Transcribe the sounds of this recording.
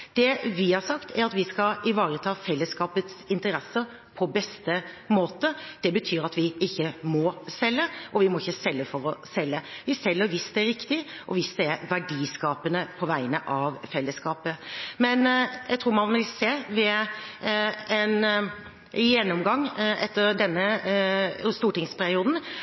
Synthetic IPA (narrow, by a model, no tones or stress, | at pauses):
d̪̥ɛʋɪhɑɾsɑkt̪ʰæɾɑt̪ʋɪskɑɪʋɑːɾət̪ʰɑːfɛlːəskɑːpət̪sɪnt̪əɾɛsːəɾ | pʰɔbɛst̪ə | moːt̪əd̪̥ɛbət̪ʰyːɾɑt̪ʋɪɪçːəmɔsɛlːəʔɔʋɪmɔɪçːəsɛlːəfɔɾɔsɛlːəʋɪsɛlːəɾʋɪsd̪ɛɾɪkt̪ɪʔɔʋɪsd̪ɛæʋæɖiːskɑːpənəpʰɔʋæɪənəʔɑʋfɛlːəskɑːpəmɛnjæɪt̪ʰɾuːɾmɑnʋɪlseːʋɛ | ɛn | jɛnːɔmɡɑŋːɛt̪ːəɾd̪ɛnːə | st̪uːʈɪŋspʰæɾɪuːd̪n̩